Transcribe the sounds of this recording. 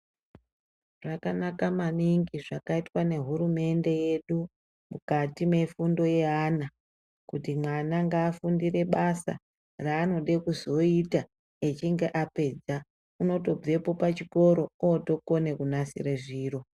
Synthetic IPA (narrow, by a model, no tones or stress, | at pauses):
ʐakanakamaniŋɡiʐakaitwane̞ɦuɾume̞nde̞je̞ɗu | mukatime̞fundo̞je̞ɦana | kutimwanaŋɡaːfundire̞ɓasa̰ | raːno̞ɗe̞kuzo̞ita | et͡ʃiŋɡe̞ʔape̞ːd͡za | uno̞to̞b͡ve̞po̞pat͡ʃiko̞ɾo̞oto̞ko̞ne̞kunasḭreʐiːro̞